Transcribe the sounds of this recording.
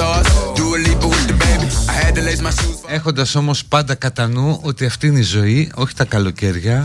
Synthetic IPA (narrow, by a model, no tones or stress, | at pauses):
ɔsd̪uːlipɐwɪd̪əbejbiɐhɛd̪ɐlejtmasue̞xo̞nd̪ɐso̞mo̞spɐnd̪ɐkɐt̪ɐnuo̞t̪iɐft̪iineizo̞io̞çi̥t̪ɐkɐlo̞ce̞ɾʝɐ